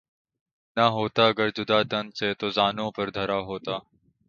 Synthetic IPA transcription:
naɦoːt̪aːəɡəɾd͡ʒʊd̪aːt̪ənseːt̪oːzaːnõːpəɾd̪ʱəɾaːɦoːt̪aː

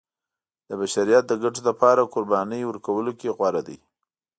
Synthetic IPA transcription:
d̪̥əbaʃaɾijat̪̚d̪əɡaʈolapɑɾakʊɾbɑnəjwəɾkawəlokeɣwaɾad̪ḭj

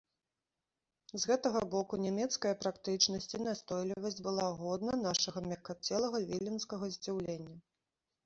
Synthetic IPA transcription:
zɣɛt̪ɐɣɐbɔkunʲɛmʲɛt̪skɐjɐpɾakt̪ɨt͡ʂnɐsʲt͡sʲinast̪ɔjlʲivɐsʲd͡zʲbɨlˠaɣɔd̪nɐnaʂɐɣɐmʲɐkat͡sʲɛlˠɐɣɐvʲilʲinskɐɣɐzʲd͡zʲiwlʲenʲːɐ

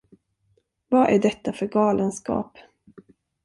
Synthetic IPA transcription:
vɑʔæɖɛt̪ːafœɾɡɑːlənskɑ̰ːp

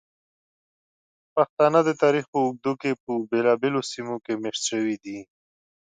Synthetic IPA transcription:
paxt̪ɑnəd̪ət̪ɑɾixpəʊɡ̚d̪ukepəbelɑbelosimokemeʂʃəwid̪i

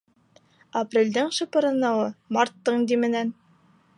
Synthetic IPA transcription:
ɐprʲelʲd̪ɘŋʃɤ̆pɤ̆ɾɤ̆nɑwɤmɑrt̪ːɤɴd̪imɘ̆næn

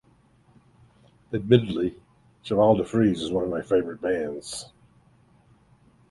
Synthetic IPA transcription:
ɨd̚mɪɾɨdˡli | ʃəvalˠdəfɹizɨzwʌ̃nʌvmaɪfeɪvə˞ɨt̚b̥æ̃ndz̥

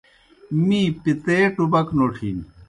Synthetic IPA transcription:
mipit̪eːʈubɐknoːʈʰḭːn

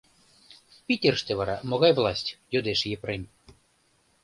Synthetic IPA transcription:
pʲitʲerʃt̪eβɑɾɑmoɣɑjvlˠɑsʲtʲjod̪eʃjepɾemʲ

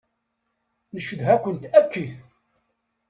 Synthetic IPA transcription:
nəʃəðɦækʷːənt̪ækːiθ

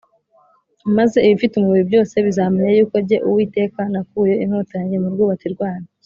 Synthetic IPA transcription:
maze̞iβifitumuβiɾibɟo̞ːse̞βizaːmeɲejuːkoɟe̞ʔuwiːte̞ːkanakuːje̞in̥hotaɲɟe̞muɾɡuːβat͡siɾɡwaːna

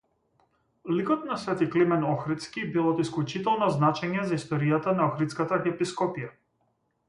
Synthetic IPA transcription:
likɔt̪nasvɛt̪iklimɛnɔxɾit̪skʲibilˠɔt̪isklˠut͡ʃit̪ɛlˠnɔznat͡ʃɛɲɛzaist̪ɔɾijat̪anaɔxɾit̪skat̪axɛpiskɔpija

